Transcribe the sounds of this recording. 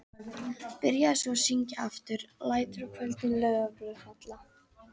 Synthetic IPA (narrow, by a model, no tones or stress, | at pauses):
pɪɾjaðsɔsiɲca̰ft̪ʏɾlaːjt̪ɾʏkʰvœlt̪ɪnlœːɥɣaplœðfat̪la